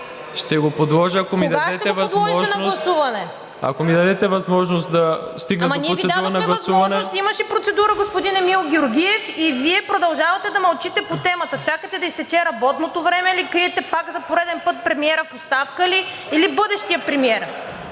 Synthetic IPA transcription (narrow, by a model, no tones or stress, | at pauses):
ʃt̪ɛɡopod̪lˠɔʒəɐkomid̪ɐad̪ɛt̪ɛɛvɐd̪lˠɔʒɔʒɛnɐlˠɐsuvɐnɛ | ɐ̰komid̪ɐd̪ɛt̪ɛvɐzmɔʒnost̪d̪ɐst̪iɡnɐmɐnitvisɛd̪auɾnɐɡɡlˠɐsuvɐnɛt̪imɐʃɛpɾot̪sɛd̪uɾəɡospod̪inɛmilˠɡʲɛoɾɡʲiɛfiviɛpɾod̪ɐlˠʒavɐt̪ɛd̪ɐmɐlˠt͡ʃit̪ɛpot̪ɛmɐt̪ət͡ʃakət̪ɛd̪ɐist̪ɛt͡ʃɛɾɐbɔt̪not̪ovɾɛmɛilikɾiɛt̪ɛpakzɐpoɾɛd̪ɛnpɤt̪̚pɾɛmiɛɾəfost̪afkəli | ilibɤd̪ɛʃt̪ijəpɾɛmiɛɾ